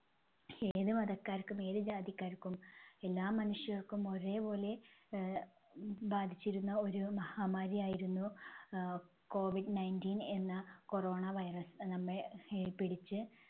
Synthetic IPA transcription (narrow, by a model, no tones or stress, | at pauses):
e̞ːðumɐðɐkːaːɾkːume̞ːðɨd͡ʑaːd̪jikʲːaːɾkːume̞lːaːmːɐnuʂjɐɐrkumo̞re̞ːbo̞ːle̞ | baːd̪ʱit͡ɕːiɾunːɐo̞ɾumɐhaːmaːɾijaːjiɾunːu | ko̞ːʋiɖnɐjndiːne̞nːɐko̞ro̞ːɳɐʋɐjrɐsnɐmːɐɭpiɽit͡ɕːɨ